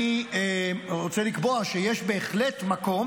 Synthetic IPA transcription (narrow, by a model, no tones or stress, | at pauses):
i | ʁot͡selikboaʃejeʃbe̞ːχle̞tmako̞m